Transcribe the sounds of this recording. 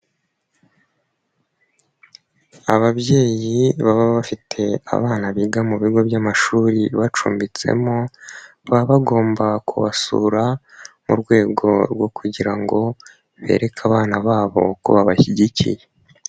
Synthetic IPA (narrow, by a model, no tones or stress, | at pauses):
aβaβje̞ːjiβaβaβafitʰe̞a̰βaːnaβiɡamuβiɡo̞bjamaʃuːɾiβat͡ʃṵːmbit͡se̞̰mo̞ | βaβaɡo̞ːmbakʰuβasṵːɾa | mṵɾɡwe̞ːɡo̞̰ɾɡwo̞kuɟiɾaŋɡo̞ | βe̞̰ːɾe̞kʰaβaːnaβaːβo̞̰kṵβaβaçiɟicʰḭje